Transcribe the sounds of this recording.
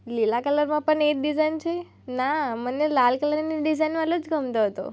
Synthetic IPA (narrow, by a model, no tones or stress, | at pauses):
lilakələɾmãpəɳek̚ɖizajnt͡ʃʰe | namənelalkələɾneɖizajnʋalod͡ʒɡʱəmt̪oɦət̪o̰